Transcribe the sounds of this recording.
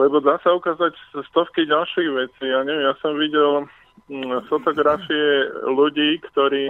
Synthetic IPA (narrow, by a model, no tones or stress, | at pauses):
lɛbɔd̪asaukaːzacst̪ɔfkiɟalʃiːɣʋɛt͡siːjaɲɛʋɛmjasɔmʋiɟɛl | fɔt̪ɔɡɾafiɛluɟiːkt̪ɔɾiː